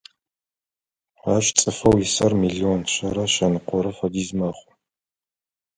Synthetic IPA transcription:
aːɕt͡sʼɨfɐwjɪsɐrmiɮiɔnɕɐɾɐʃɐnɨqʷɔɾɐfɐdiːzmɐχʷʊ

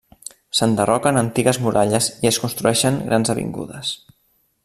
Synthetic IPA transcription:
sənd̪ərɔkənənt̪iɣəzmuɾʔaʎəziəskunst̪ɾuɛʃəŋɡɾʔanzəβḭŋɡṵðəs

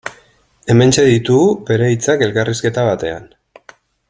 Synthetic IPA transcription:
e̞me̞nt͡ʃe̞ðit̪uɣube̞ɾeit͡sake̞lkariske̞t̪aβat̪e̞a̰n

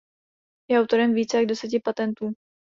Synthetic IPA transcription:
jɛawt̪o̞ɾɛmviːt͡sɛaɡdɛsɛc̬ɪpat̪ɛnt̪uː

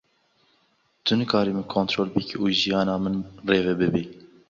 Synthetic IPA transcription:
t̪ʰʊnɨkʰɑːɾimɨkʰoːnt̪ɾoːlbɨkʰiʔuːʒijɑːnɑːmɨnreːvɛbɨbiː

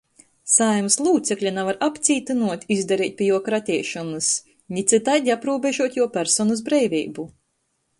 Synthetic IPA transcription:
sajmslˠuːt̪sɛklʲanavaɾapt̪sʲiːt̪ɨnuɔt̪ʲizd̪aɾiːt̪̚ʲpʲijuɔkɾat̪ʲiɛʃɔnɨs | nʲit̪sɨt̪ajd̪ʲiapɾuːbeʒuɔt̪ʲjuɔpʲæɾsɔnuz̬bɾɛjvʲiːbu

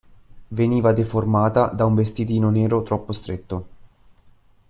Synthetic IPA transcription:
veniːvad̪eformaːt̪ad̪auɱvest̪id̪iːnoneːɾot̪ɾɔpːost̪ɾet̪ːo

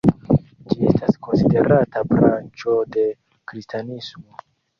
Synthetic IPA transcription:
d͡ʒie̞stasko̞nside̞ɾatabɾant͡ʃo̞de̞ | kɾistanismo

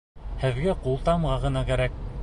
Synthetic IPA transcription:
hɘ̆ðɡæqulˠt̪ɑmʁɑʁɤ̆nɑkæɾæk̚

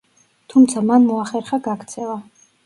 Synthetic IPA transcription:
t̪ʰumt̪sʰamanmɔaχɛɾχaɡakʰt̪sʰɛva

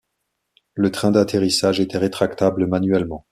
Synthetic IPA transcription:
lət̪χɛ̃d̪at̪ʰeʁisaʒet̪ɛʁet̪χakt̪abləmanɥɛlmɑ̃

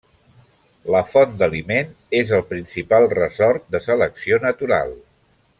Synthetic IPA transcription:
ləfɔnd̪əlimen | ezəlˠpɾinsipalˠrəzɔrt̪̚d̪əsələksionət̪uɾa̰lˠ

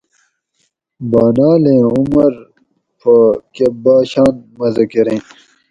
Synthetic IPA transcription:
baːnaːlẽːumɐɾ | pʰɐkebaːɕaːnmɐzɐkiɾẽː

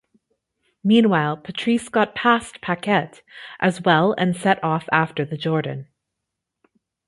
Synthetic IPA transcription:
mĩnwaɪlˠpʰɨtʰɹ̥iskɑt̚pʰæspʰækʰɛɾ | ʔɨzwɛlˠɨ̰̃nsɛɾɔfæftə˞ðɨd͡ʒɔɹdⁿn̩

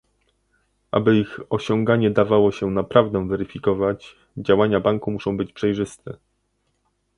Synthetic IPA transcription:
ʔa̰bɘixɔɕɔŋɡaɲɛd̪avawɔɕɛnapɾavd̪ɛ̃vɛɾɘfʲikɔvad͡ʑ | d͡ʑawaɲabaŋkumuʂɔ̃w̃bɘt͡ɕpʂɛjʐɘst̪ɛ

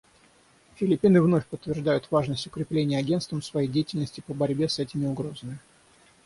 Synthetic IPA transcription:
fʲɪlʲɪpʲːinɨvno̞fʲpət̪ːvʲɪrʐd̪ajʊt̪vaʐnəsʲtʲʊkɾʲɪplʲenʲɪjəɐɡʲe̞nst̪vəmsvɐjejdʲejɪtʲɪlʲnəsʲtʲɪpəbɐɾʲbʲe̞sɛtʲɪmʲɪʊɡɾo̞zəmʲɪ

